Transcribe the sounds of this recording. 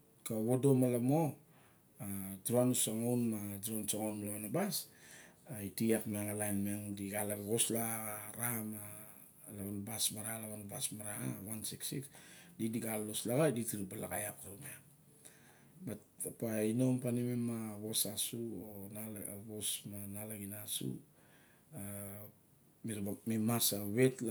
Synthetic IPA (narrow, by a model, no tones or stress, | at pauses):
kaβodo̞malamo̞ | adɾanusaŋawnmadɾonsaŋawnlaβanabas | aitiakmeŋalajnmeŋdiɡalaɡaɡo̞slaaɾama | laβanabasmaɾalaβanabasmaɾaa̰wansiksiksdidiɡalːo̞slaɡaditiɾibala̰ɡajakame | bat | apaino̞mpanimemaβo̞sasuonaβo̞smanalaɡinasṵ | a | miɾmemasaβe̞t